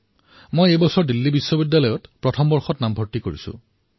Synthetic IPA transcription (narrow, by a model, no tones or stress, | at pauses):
mojejbɔsɔɹdilːibisːɔbidːalɔjɔtpɹɔtʰɔmbɔɹxɔtnambʱɔɹtikoɹḭsʊ̰̃